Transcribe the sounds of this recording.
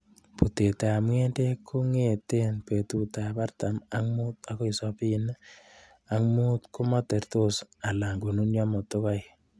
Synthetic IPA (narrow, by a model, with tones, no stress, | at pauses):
pu˨te˨ta˨a˨mŋe˦nde˦kʰu˦ŋe˨te˦npe˨tu˨ta˨pa˦rta˨ma˦ŋmu˦ta˦ko˦i˨sɔ˦pi˦n˦ | a˨ŋmu˦tkʊ˦ma˦te˨ɾto˦sa˨la˨ŋɡu˨nu˦njɔ˦mɔ˨tʊ˦ka˦i